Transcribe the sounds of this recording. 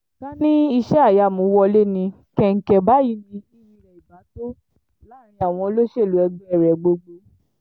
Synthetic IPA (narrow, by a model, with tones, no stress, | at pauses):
ɡa˦nĩ˦i˧ʃɛ˦a˦˨ja˧˨mõ˨˦wɔ˧le˦nĩ˧ | kɛ˦˨ŋ̩˨kɛ˨ba˨˦ji˦nĩ˧i˦ɾĩ˧ɾɛ˨i˨ba˨˦to˦ | la˨˦˨ɾ̃ĩ˧a˨w̃ɔ̃˧˦lo˦ʃe˦˨lu˨˦ɛ˧ɡ͡bɛ˦˨ɾɛ˨ɡ͡bo˧ɡ͡bo˧